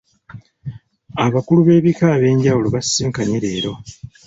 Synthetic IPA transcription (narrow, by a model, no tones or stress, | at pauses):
aβakuluβe̞ːβikaːβe̞ːɲɟawuloβasːiːŋkaɲeɾe̞ːɾo̞